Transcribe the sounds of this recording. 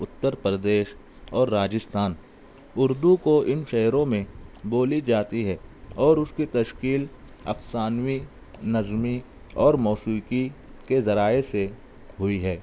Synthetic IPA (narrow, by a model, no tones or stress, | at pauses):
ʊt̪ːəɾpɾəd̪eːʃ | ɔːɾːaːd͡ʒɪst̪ʰaːn | ʊɾd̪ukoʔɪnʃɛɦɾõmẽboːlid͡ʒaːt̪iɦɛːɔːɾʊskit̪ɐʃkiːl | ɐ̰fsaːnwi | nɐzmi | ɔːɾmɔːsuki | kezɐɾaːese | ɦʊiɦɛː